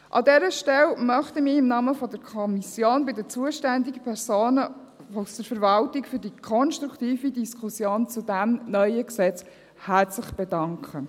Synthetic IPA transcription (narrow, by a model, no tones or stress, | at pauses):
ʔɑ̰dɛːɾəʃtɛlmœχtəmɪːɪmnɑːməfɔdəɾkʰɔmisjoːnbɪdət͡suəʃtænd̪iɡəpʰɛɾsoːnə | usd̪əɾfəɾvɑltɪkfyɾdikʰɔnʃtɾukt̪iːfidiskʰusjoːnt͡sudæmnœʏəksɛt͡s | hæɾt͡slɪχb̥ɛdɑŋkʰχə